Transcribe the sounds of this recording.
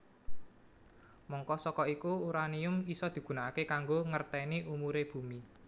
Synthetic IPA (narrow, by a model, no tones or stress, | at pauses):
mɔŋkɔsɔkɔikuuɾaniʊmisɔd̪̥i̤ɡ̥ṳnaakekaŋɡoŋərt̪ɛniʔumuɾeb̥ṳmi